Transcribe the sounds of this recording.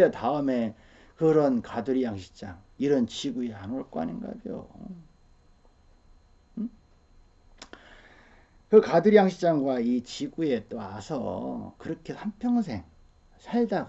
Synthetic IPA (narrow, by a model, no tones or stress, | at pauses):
etaɯme̞ | kɯɾʌnkaduɾijaŋɕʰi̥t͡ɕ͈aŋiɾʌnt͡ɕiɡueanoɭk͈oa̰ɲinɡa̰d͡ʑo̰ | kɯkaduɾijaŋɕʰit͡ɕaŋɡwait͡ɕiɡue̞t͈oasʰʌ̰kɯɾʌkʰe̞sʰanpʰjʌŋs̬ʰe̞ŋ | sʰaɭdaɡa